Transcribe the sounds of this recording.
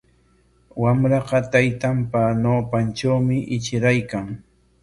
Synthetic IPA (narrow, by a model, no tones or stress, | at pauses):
wamɾɑqɑt̪ajt̪ampanoːpanʈ͡ʂawmɪʔɪt͡ʃɪɾajkaŋ